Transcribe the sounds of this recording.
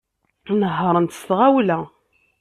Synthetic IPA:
nəɦːəɾˤənt̪ə̥st̪ʁæwlæ

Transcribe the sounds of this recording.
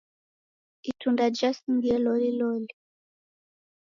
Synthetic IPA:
itʰundad͡ʒasiŋɡiɛlɔlilɔli

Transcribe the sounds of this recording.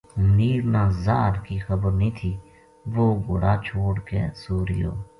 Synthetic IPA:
mniːɾnaːzaːɾkiːxəbəɾnĩːt̪ʰiː | ʋoːɡʊɽaːt͡ʃʰoːɽkḛːsuːɾɪjo̰ː

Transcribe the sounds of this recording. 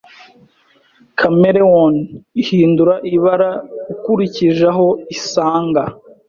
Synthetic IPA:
kʰameɾewonihiːnduɾaʔiβaɾaukuɾiciʒaɦo̞isaːŋɡa

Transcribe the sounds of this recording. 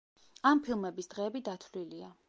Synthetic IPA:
ampʰilˠmɛbisd̪ʁɛːbid̪at̪ʰlilia

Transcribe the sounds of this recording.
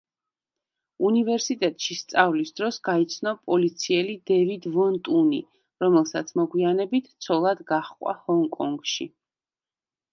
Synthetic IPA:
univɛɾsit̪ʼɛt̪ʼʃist̪sʼavlisd̪ɾɔsɡait̪sʰnɔpʼɔlit̪sʰiɛlid̪ɛvid̪vɔnt̪ʼuni | ɾɔmɛlˠsat̪sʰmɔɡwianɛbit̪ʰt̪sʰɔlˠad̪ɡaχkʼwa̰hɔŋkʼɔŋɡʃḭ

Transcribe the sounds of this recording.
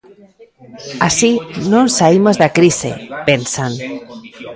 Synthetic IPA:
asinonsaimozðakɾisḛpensan

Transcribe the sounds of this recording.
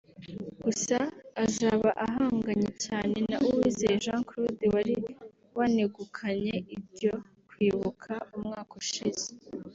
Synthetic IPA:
ɡ̥usaːzaːβaʔaɦaːŋɡaɲecaːne̞na̰ʔuwiːzejeʒãːŋkɾodiwaɾi | waneɡukʰaɲe̞ibɟo̞ | kwiːβukʰaumŋaːkoʃiz̥e̥

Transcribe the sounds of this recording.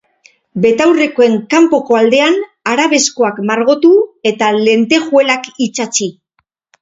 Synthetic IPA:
be̞t̪awre̞koe̞ŋkampo̞ko̞ald̪e̞an | aɾaβe̞skoakmaɾɣo̞t̪ue̞t̪ale̞nt̪e̞xue̞lakit͡ʃat͡ʃi

